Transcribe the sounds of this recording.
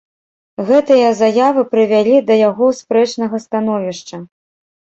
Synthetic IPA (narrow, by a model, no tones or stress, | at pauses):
ɣɛt̪ɨjɐzajavɨpɾɨvʲalʲid̪ɐjaɣɔspɾɛt͡ʂnɐɣɐst̪an̪ɔvʲiʂt͡ʂɐ